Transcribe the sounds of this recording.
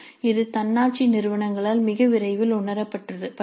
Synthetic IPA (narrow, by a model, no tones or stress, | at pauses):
ɪðɯt̪ɐnːaːʈ̚t͡ʃinɪɾɯʋɐɳɐŋɡɐɭaːlmɪɣɐʋɪɾɐɪʋɪlʊɳɐɾɐpːɐʈrɐðɯpɐ